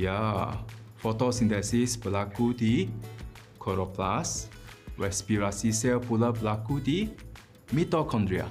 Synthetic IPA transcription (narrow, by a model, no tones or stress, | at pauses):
ja | fɔtɔsĩntɛsisbəlakudi | kʰɔɹɔplasɹɛspiɹasisɛlpuləbəlakudi | mitɔkʰɔ̃ndɹia̰